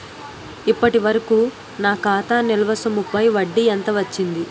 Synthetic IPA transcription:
ipːɐʈiʋɐɾɐkuː | naːkaːt̪aːnilɐʋɐsɐmupɐjʋɐɖːiɐnt̪ɐʋɐt͡ʃːind̪i

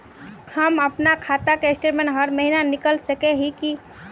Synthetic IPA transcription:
həməpnakʰat̪akeesʈeʈmẽnɦəɾməɦinanikəlsəkeɦiki

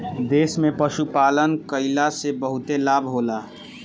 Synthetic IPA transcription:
d̪eːsmẽpəʃupaːlənkəɪlasebəɦʊt̪elaːbʱɦoːlaː

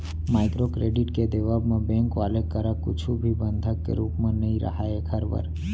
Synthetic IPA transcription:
maːɪkɾokɾeːɖɪʈked̪eʋabmẽbẽːŋkʋaːlekəɾəkʊt͡ʃʰubʱibə̃nd̪ʱəkːḛɾuːpmẽnəĩɾə̰ɦaekʰəɾbə̰ɾ

